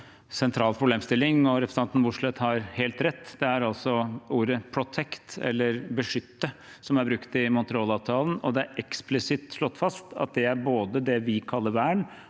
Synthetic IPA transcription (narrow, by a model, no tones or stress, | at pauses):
sɛnt̪ʰɾɑːlpʰɾʊbleːmst̪ɪlːɪŋɔɾɛpɾəsɑnt̪n̩ʋʊʂɭɛt̪ːhɑɾheːlt̪ɾɛt̪ːd̪ɛæɾɑlsɔuːɾəpʰɾʊt̪ʰɛkt̪ɛ̰lːəɾbəʂʏt̪ːə | sɔmæɾbɾʉkt̪ɪmʊnt̪ɾɔlːɑːʋt̪ʰɑːlənɔ̰d̪ɛæɾɛksplɪsɪt̪ʂɭɔt̪ːfɑst̪ʰɑ̰t̪̚d̪ɛæɾboːd̪əd̪ɛʋɪkʰɑlːəɾʋæːɳ